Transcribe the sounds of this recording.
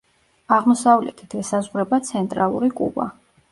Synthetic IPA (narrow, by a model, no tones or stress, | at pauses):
aʁmɔsavlɛ̰t̪ʰi̥t̪ʰɛsazʁɾɛbat̪sʰɛnt̪ʼɾalˠṵɾikʼṵba̰